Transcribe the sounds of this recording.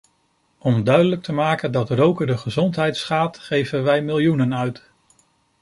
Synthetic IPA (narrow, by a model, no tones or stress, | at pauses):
ɔmdœɥdələk̚təmaːkəndɑtrowkəɹdəχəzɔntɦɛjtsχaːtχejvənʋɛjmɪlˠjunənœɥt